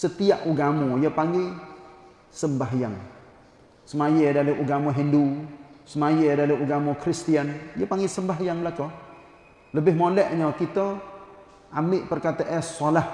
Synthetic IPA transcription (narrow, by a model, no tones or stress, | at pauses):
sət̪iaʔuɡamɔjəpaŋɡe | səmbaɦjaŋ | səmajedaleʔuɡamɔɦindusəmajedaleʔuɡamɔkɾist̪ianjapaŋɡɪsəmbaɦjaŋlakɔ | ləbɪhmolɛʔɲɔkit̪ɔ | ʔamɪʔpərkat̪əʔɛsolah